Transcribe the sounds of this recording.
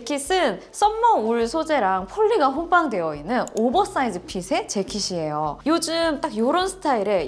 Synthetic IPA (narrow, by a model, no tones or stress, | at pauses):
kʰis͈ɯn | s͈ʌnːʌuɭsʰod͡ʑe̞ɾaŋpʰʌɭːiɡaɸomp͈aŋdwe̞jʌinːɯnobʌs͈aid͡ʑɯpʰisʰe̞t͡ɕe̞kʰiɕʰie̞jojod͡ʑɯmt͈akjoɾʌnsʰɯ̥tʰaiɾe